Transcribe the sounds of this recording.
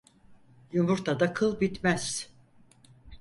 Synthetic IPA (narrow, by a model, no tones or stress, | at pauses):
jumuɾt̪ʰad̪akʰɯlˠbit̪mæz̥